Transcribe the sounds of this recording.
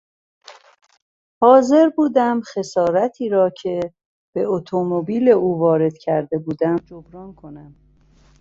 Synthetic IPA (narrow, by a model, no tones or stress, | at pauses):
hɒːze̞ɾbuːd̪æmχe̞sɒːɾæt̪ʰiːɾɒːcʰe̞ | b̥e̞ot̪ʰomobiːle̞uːvɒːɾe̞d̪̥cʰæɾd̪e̞buːd̪æmd͡ʒobɾɒːnkʰo̞næm